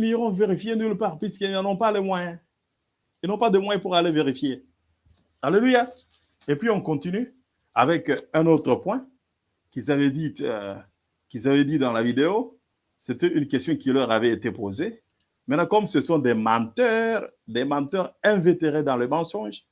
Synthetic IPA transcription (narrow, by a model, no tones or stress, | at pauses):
niʁɔ̃veʁifjenylpaːʁpɥiskilnɑ̃nɔ̃palemwajɛ̃ | ilnɔ̃pad̪əmwajɛ̃puʁaleveʁifje | aleluja | epɥiɔ̃kɔ̃t̪iny | a̰vɛkɛ̃not̪χəpwɛ̃ | kizavɛd̪it̪ø̰ | kʲilzavɛd̪id̪ɑ̃lavid̪eo | set̪ɛynkʲɛst̪jɔ̃kilœʁavɛet̪epoze | mɛ̃lakɔmsəsɔ̃d̪emɑ̃t̪œːʁd̪emɑ̃t̪œʁɛ̃vet̪eʁed̪ɑ̃ləmɑ̃sɔ̃ʒ